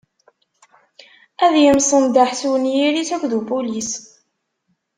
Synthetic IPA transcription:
æðjəmsˤənd̪aħsuwnjiɾisækʷðubulis

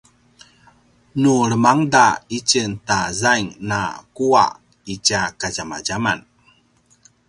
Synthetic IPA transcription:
nuɾəmaŋdait͡ɕəntazajŋna̰kua̰ʔ | it͡ɕakaɟama̰ɟama̰n

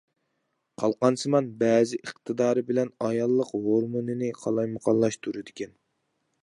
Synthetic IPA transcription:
qʰɑlˠqɑnsɨmɑnbɛːzɪʔəχt̪ʰɨd̪ɑːɾɨbɪlɛnɑjɑlˠːəqhoɾmonɨnɪqʰɑlˠɑjmɑqʰɑlˠːɑʃt̪ʰuɾɨd̪ɪkʲɛn

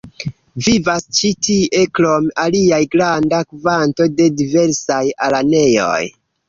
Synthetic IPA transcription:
vivast͡ʃitie̞klo̞maliajɡɾandakvanto̞de̞dive̞ɾsajalane̞jo̰j

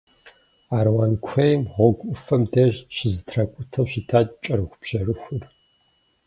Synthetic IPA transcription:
aːɾwaːnkʷʰɐjmʁʷɔɡʷʼʊfɐmdɐʑʃɪzɨtʰrɐkʷʼʊtʰɐwʃitʰaːt͡ʃʼt͡ʃʼɐɾɨxʷʊpɕɐrɨxʷʊr

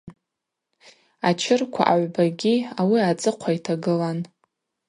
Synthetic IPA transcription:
at͡ʃʰɪrkʷʰa̰ʔaʕʷbaɡʲiawiat͡sʼɨqʷʰaitʰaɡɨlan

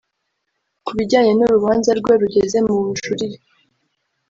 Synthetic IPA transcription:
kuβiɟaːɲenoɾuβaːnzaɾɡweɾuɟe̞ze̞mumuʃuɾije

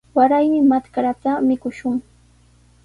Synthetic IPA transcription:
waɾajmɪmat̪kaɾat̪amɪkʊʃʊŋ

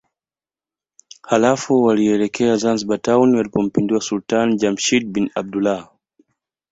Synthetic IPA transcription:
halafuwaliɛlɛkʰɛazanziɓatauniwalipɔm̩pindiwasultanid͡ʒamʃid̚binab̚dula

